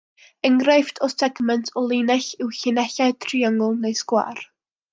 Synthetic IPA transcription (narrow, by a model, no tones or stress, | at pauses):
əŋɡrajftʰɔsɛɡmɛntʰɔlˠinɛɬɪwɬɪnɛɬaɨtʰriaŋʊlˠnejskwa̰r